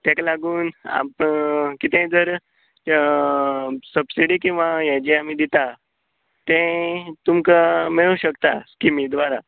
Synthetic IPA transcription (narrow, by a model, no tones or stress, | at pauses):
t̪jɛ̃kalaɡuːna̰pəkit̪ẽd͡zəɾ | səbsiɽikĩw̃ʋajad͡ʑeamiːd̪it̪a | t̪ɛ̃t̪umkamiɭũːɕəkt̪askimid̪ʋaɾa